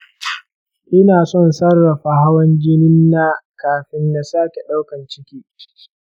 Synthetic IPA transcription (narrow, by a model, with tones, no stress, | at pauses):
ʔɪ˦naː˨sɔ˦nsɐ˦rːɐ˨ɸa˨ɦa˦wɐ˦ŋd͡ʒɪ˦nɪ˦nːa˦kaː˨ɸɪ˦nda˨saː˦kʲe˨ɗa˦wkɐ˨nt͡ʃɪ˦kʲiː˦